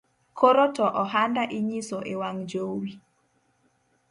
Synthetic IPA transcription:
kʰoɾotɔʔɔhandaʔiɲisoʔewaŋd͡ʒowi

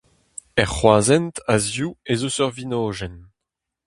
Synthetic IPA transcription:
ɛʁχwaːzɛntazjuezosœʁvinoːʒɛn

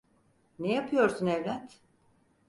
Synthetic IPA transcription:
nejapʰɯjo̞ɾsunɛvlʲæt̪

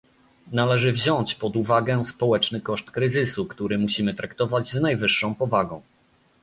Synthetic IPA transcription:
nalɛʐɘvʑɔɲt͡ɕpɔd̪uvaɡɛspɔwɛt͡ʂnɘkɔʂt̪kɾɘzɘsukt̪uɾɘmuɕimɘt̪ɾakt̪ɔvad͡ʑznajvɘʂːɔ̃w̃pɔvaɡɔ̃w̃

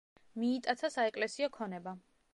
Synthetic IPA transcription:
miːt̪ʼat̪sʰasaɛkʼlɛsiɔkʰɔnɛba

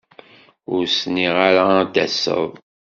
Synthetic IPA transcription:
ʊɾsniʁaɾad̪æsə̰ðˤ

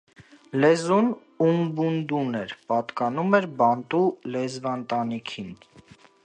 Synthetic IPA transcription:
lɛzun | umbund̪unɛɾpɑt̪kɑnumɛɾbɑnt̪ulɛzvɑnt̪ɑnikʰin

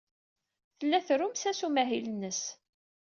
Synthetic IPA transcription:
θəlːæθɾʊmsæsumæɦilənːəs

